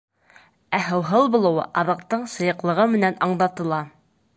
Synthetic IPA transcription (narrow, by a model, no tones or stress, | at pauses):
æɦɤ̆wɦɤlˠbulˠɤ̆wɤ̰ʔɑðɤ̆q̚t̪ɤɴsɤ̆jɤ̆qlˠɤ̆ʁɤmɘ̆nænɑɴlˠɑt̪ɤ̆lˠɑ